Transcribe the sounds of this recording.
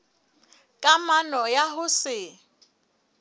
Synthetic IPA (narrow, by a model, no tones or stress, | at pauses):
kʼamanɔjaɦʊsɪ